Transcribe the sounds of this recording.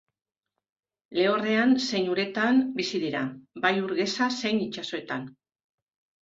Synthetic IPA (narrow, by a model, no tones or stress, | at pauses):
le̞ore̞anse̞jɲuɾe̞t̪anbisiðiɾabajuɾɣe̞sase̞nit͡ʃaso̞e̞t̪an